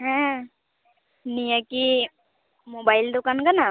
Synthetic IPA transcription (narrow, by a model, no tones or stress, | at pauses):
ɦɛ̃ | nijəki | mobaild̪ukankana